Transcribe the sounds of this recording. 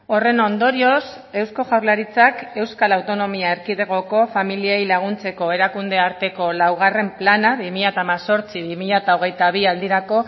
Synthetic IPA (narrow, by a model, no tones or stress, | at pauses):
o̞re̞no̞nd̪o̞ɾio̞s | e̞wsko̞ʝawɾlaɾit͡sake̞wskalawt̪o̞no̞miaeɾkiðe̞ɣ̞o̞ko̞familiejlaɣ̞unt͡se̞ko̞e̞ɾakund̪e̞aɾt̪e̞ko̞lawɣ̞are̞mplanaβimiʎat̪aːmaso̞ɾt͡siβimiʎat̪aoɣ̞e̞jt̪aβ̞iald̪iɾako̞